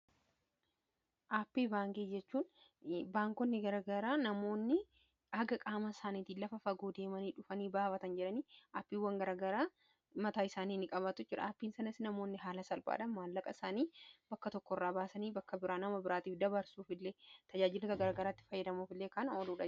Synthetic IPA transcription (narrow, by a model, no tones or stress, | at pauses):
ʔaːpːiːbaːŋkiːd͡ʒɛt͡ʃːuːn | baːŋkɔnːɪɡɐɾɐɡɐɾaːnɐmo̞ːnːɪ | ɐɡɐkʼaːmɐsaːniːt̪iːlɐfɐfɐɡoːd̪e̞ːmɐniːᶑʊfɐniːbaːfɐt̪ɐnd͡ʒɛᶑɐniːaːpːiːwːɐŋɡɐɾaɡɐɾaː | mɐt̪aːɪsaːniːnːɪkʼɐbɐt̪ʊd͡ʒɪᶑɐ̰aːpːiːnsɐnɐsnɐmo̞ːnːɪɦaːlɐsɐlba̰ːᶑɐmmaːlːɐkʼɐɪsaːniːbɐkːɐt̪ɔkːɔrːaːbaːsɐniːbɐkːɐbɪɾaːnɐmɐbɪɾaːt̪iːfd̪ɐbɐɾsuːfɪlːeːt̪ɐd͡ʒaːd͡ʒɪloːt̪ɐɡɐɾaːɡɐɾaːt̪ːɪ̥fɐjːɐd̪ɐmuːfɪlːeːkɐnoːluːᶑɐ